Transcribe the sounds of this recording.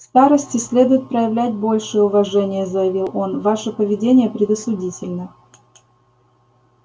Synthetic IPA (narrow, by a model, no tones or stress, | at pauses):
st̪aɾəsʲtʲɪsʲlʲe̞d̪ʊjɪt̪̚pɾəjɪvlʲæt̚ʲbo̞lʲʂɨjəʊvɐʐɛnʲɪjəzəjɪvʲilˠo̞nvaʂəpəvʲɪdʲenʲɪjəpɾʲɪd̪əsʊdʲitʲɪlʲnə